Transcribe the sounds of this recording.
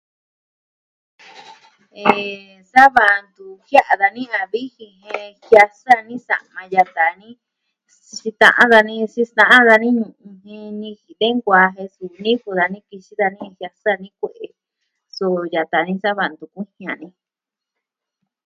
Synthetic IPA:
e˨ | sa˦βa˧nd̪u˧hja˦ʔa˧ða˧nĩ˦ã˧βi˦hĩ˧ɦẽ˧hja˧sa˦nĩ˦sa̰˨mã˧ja˧t̪a˨nĩ˦ | t͡ʃi˧t̪ã̰˧ʔã̰˦ða˧nĩ˦˧si˧st̪ã˧ʔã˦ða˧nĩ˦ɲũ˧˨ũ˧ɦẽ˧nĩ˧hi˨ðe˦ŋɡʷa˧ɦẽ˧su˨˧nĩ˦ku˧ða˧nĩ˦ki˧t͡ʃi˦ða˧nĩ˦˧hja˧sa˦˧nĩ˦kʷe˧˨ʔe˨ | so˧˨ja˨t̪a˨nĩ˧sa˦βa˧˨nd̪u˧kʷĩ˦hĩ˧ã˨nĩ˧

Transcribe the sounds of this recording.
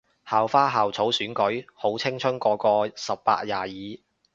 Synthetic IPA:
haː˨wfaː˥ɦaː˨˩wt͡sʰo˨˥wsyː˨˥nkɵ˨˥ɥho˨˥wt͡sʰɪ˥ŋt͡ʃʰɵ˥nkɔː˧kɔː˧sɐ˨p̚ːa̰ː˧t̚jaː˨˩jiː˨˥

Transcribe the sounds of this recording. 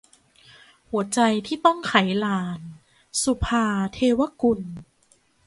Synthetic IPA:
hu˩˦ɐt͡ɕa˧jt̪ʰiː˥˩t̪ɔ˥˩ŋkʰa˩˦jlaː˧n | su˧pʰaː˧t̪ʰeː˧wa˧˥ku˧n

